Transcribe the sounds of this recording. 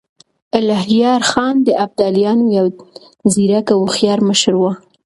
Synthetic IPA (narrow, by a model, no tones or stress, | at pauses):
alaɦjɑɾxɑnd̪əʔab̚d̪ɑlijɑnojaw | ziɾakawxjɑɾməʃəɾwa